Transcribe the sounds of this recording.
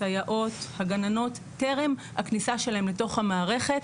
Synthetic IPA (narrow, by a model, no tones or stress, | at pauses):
ajaʔo̞t̪haɡanano̞tːe̞ʁe̞mha̰knisaʃe̞laɦemleto̞χhamaːʁe̞χe̞t̪